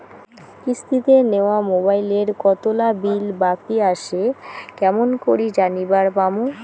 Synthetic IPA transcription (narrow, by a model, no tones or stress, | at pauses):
kist̪it̪eneoamobajleɾkɔt̪olabilbakiaʃekɛmonkoɾid͡ʑanibaɾbamo